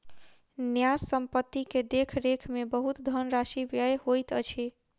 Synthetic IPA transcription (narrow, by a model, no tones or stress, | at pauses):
njassəmpət̪ːiked̪ekʰɾekʰmebəɦut̪d̪ʱənɾaʃiʋjəjɦojt̪ət͡ʃʰi